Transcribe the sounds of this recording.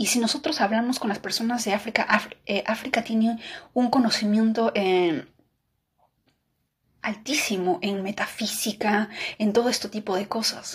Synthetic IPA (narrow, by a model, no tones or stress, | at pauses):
isino̞so̞t̪ɾo̞saβlamo̞sko̞nlaspe̞ɾso̞nazðe̞afɾikaʔaeʔafɾikat̪jeneuŋko̞no̞simjẽ̞nt̪o̞ʔe | alt̪isimo̞ʔe̞nme̞t̪afisikae̞nt̪o̞ð̞o̞e̞st̪et̪ipo̞ðe̞ko̞sa̰s